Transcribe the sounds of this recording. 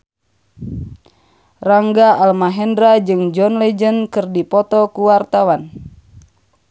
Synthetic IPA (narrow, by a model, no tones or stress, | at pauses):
raŋɡaʔalmaɦɛndɾad͡ʒɨŋd͡ʒɔnlɛd͡ʒənkɨrdipɔt̪ɔkuwart̪awan